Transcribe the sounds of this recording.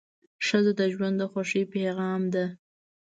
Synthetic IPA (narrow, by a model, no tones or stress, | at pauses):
ʂəzod̪əʒwand̪əxaʂipeɣɑmd̪a